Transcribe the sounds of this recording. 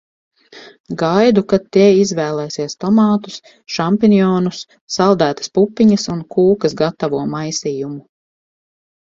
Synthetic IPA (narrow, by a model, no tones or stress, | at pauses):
ɡajd̪ukat̪ːiɛizvɛːlˠɛːsiɛst̪ɔmɑːt̪u̥s | ʃampinjɔːnusː | alˠd̪æːt̪ɐ̥spupːiɲɐsunkʰuːkɐsɡat̪ːavuɔmajsiːjumu